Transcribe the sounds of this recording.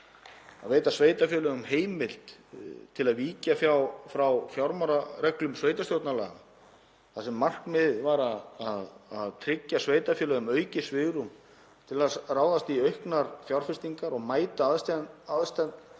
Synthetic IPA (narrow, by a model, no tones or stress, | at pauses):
a̰ðveːjt̪asveːjt̪afjœːlœɣʏmheːjmɪl̥t̪t̪ʰːɪlaðviːcafjawfɾawfjawɾmaɾarɛklʏmsveːjt̪ast̪jowt̪nala̰ːɣ | θasɛmːar̥knmɪðvaɾaðaðaðt̪ʰɾɪcːasveːjt̪afjœːlœɣʏmœːɥcɪsvɪɣɾum | t̪ʰɪlaðraːwðast̪iœɥhknaɾfjawɾ̥fɪst̪iŋkaɾɔɣmaːjt̪aðaðst̪at̪n